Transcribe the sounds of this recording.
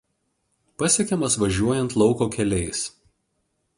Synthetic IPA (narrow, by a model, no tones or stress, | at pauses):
pɐsʲiɛkʲɛmɐsʋɐʒʲuɔjɛnt̪lˠɒʊkoːkʲɛlʲɛɪs